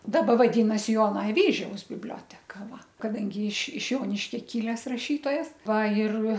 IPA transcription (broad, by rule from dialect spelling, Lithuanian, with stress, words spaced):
ˈdɑːbɐ ʋɐˈdʲiːnɐsʲɪ ˈjoːnɐ ɐˈʋʲiːʒʲɛʊs bʲɪbʲˈlʲoːtʲɛkɐ ˈʋɐ kɐˈdɐŋʲɡʲɪ ɪʃ ɪʃ ˈjoːnʲɪʃʲkʲɛ ˈkʲɪlʲɛs rɐˈʃʲiːtoːjɛs ˈʋɐ ɪr